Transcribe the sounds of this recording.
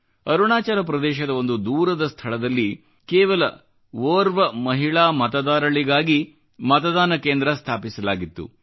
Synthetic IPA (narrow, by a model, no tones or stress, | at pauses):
ɐɾuɳaːt͡ʃaːɾɐpɾɐd̪ɛːʃɐd̪ɐo̞nd̪ud̪uːɾɐd̪ɐst̪ʰɐɭɐd̪ɐlːi | keːʋɐlɐ̰ | ʋoːɾʋɐmɐɦiɭaːmɐt̪ɐd̪aːɾɐɭiɡaːɡi | mɐt̪ɐd̪aːnɐkeːnd̪ɾɐst̪ʰaːpisɐlaːɡit̪ːṵ